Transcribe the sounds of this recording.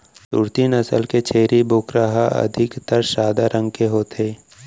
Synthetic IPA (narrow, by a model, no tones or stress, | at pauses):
sṵɾt̪inɐsə̰lket͡ʃʰeːɾibʊkɾəɦaɐ̰d̪ʱɪkt̪əɾʃaːd̪aɾʔə̃ŋɡkeɦoːt̪ʰeː